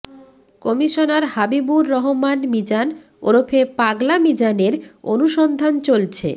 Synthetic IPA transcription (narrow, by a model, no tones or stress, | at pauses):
kɔmiʃonaɾhabibuɾːɔɦomanmid͡ʑan | o̰ɾofʰepaɡlamid͡ʑaneɾo̰nuʃɔnd̪ʱant͡ɕolt͡ɕʰḛ